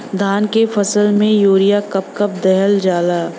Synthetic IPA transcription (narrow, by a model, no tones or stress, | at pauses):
d̪ʱaːnkefɐsəlmẽjoːɾijakɐp̚kɐp̚d̪ɛɦəld͡ʒaːlaː